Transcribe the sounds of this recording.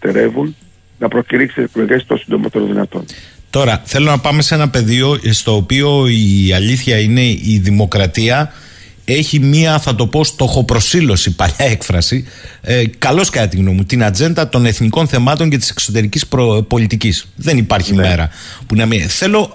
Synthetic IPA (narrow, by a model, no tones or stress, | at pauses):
t̪ḛɾe̞̰vun | nɐpɾociɾiksieklo̞ʝest̪onsind̪o̞mɐ̰t̪eɾoðinɐ̰t̪o̞̰nt̪o̞ɾɐθe̞lo̞nɐpɐme̞se̞nɐpe̞ðio̞st̪o̞ːpio̞iɐʎiθçɐine̞iðimo̞kɾɐt̪iɐ | e̞çimiɐθɐt̪o̞po̞st̪o̞xo̞pɾo̞silo̞sipɐʎɐe̞kfɾɐsi | kɐlo̞skɐɐt̪iɣno̞mut̪inɐd͡ze̞nd̪ɐt̪o̞ne̞θniko̞nθe̞mɐt̪o̞ɲce̞t̪i̥se̞̥kso̞t̪e̞ɾicispo̞lit̪icisðe̞nipɐɾçime̞ɾɐ | punɐmiθe̞lo̞